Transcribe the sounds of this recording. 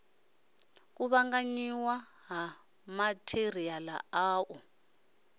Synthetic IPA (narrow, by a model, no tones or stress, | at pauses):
k̬uβaŋɡaɲiwa | ɦa | matʰeriala̰aːʔu